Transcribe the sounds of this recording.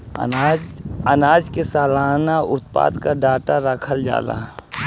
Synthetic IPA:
ad͡ʒənaːd͡ʒkesaːlaːnaʊt̪̚pa̰ːd̪kaɖaːʈaɾəkʰəld͡ʒa̰ːla̰ː

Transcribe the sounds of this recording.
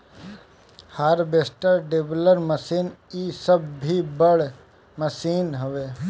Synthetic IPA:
haːɾbeːsʈəɾɖeːbləɾməsiːnisəbʱːibəɽ | məsiːnɦoʋeː

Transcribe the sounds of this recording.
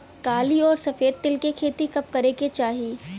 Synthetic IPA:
kaːliɔːɾsɐfeːd̪̚t̪ɪlkekʰeːt̪ikɐp̚kɐɾeket͡ʃaːɦieː

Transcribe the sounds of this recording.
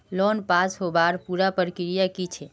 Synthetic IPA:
lɔːnpaːsɦobaɾpuɾapəɾkɪɾijakit͡ʃʰe

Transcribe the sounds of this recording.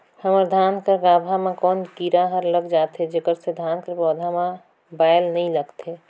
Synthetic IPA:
həməɾd̪ʱaːnkəɾɡaːbʱamãkɔːnkiɾaɦəɾləɡd͡ʒaːt̪ɦed͡ʒekəɾsed̪ʱaːnkəɾbɔːd̪ʱamã | baːjlnəĩləɡt̪e

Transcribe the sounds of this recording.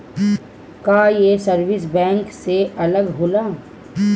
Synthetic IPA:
kaːjesəɾʋɪsbɛ̃ːŋkseɐləɡɦoːlaː

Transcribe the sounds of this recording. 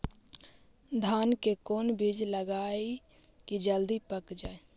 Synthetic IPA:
d̪ʱaːnkekoːnbid͡ʒləɡaːi | kid͡ʒəld̪ipəkd͡ʒaːe

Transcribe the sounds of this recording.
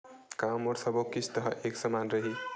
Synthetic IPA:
kamoɾsʰʌbokisʰt̪ʌɦʌʔeksʌmanɾʌɦi

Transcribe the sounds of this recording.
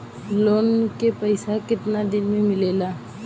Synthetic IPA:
loːnkepəɪsakɪt̪nad̪ɪnmẽmɪleːlaː

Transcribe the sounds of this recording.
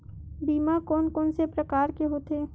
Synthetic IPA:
biːmakɔːnkɔːnsepɾəkaːɾkeɦoːt̪eː

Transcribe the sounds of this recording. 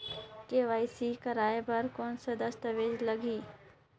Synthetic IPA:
keʋaːjsikɐɾaːebɐɾkoːnsɐd̪əst̪əʋeːd͡ʒlɐɡiː

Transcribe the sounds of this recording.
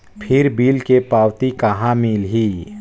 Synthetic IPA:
pʰɪɾbiːlkepaːwt̪ikaɦãmiːlɦiː

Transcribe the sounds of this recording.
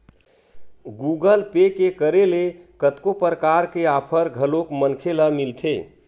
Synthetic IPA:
ɡuɡəlpekekəɾelekət̪kopəɾəkaɾkeapʰəɾɡʱəlokmənkʰeləmilt̪ʰe

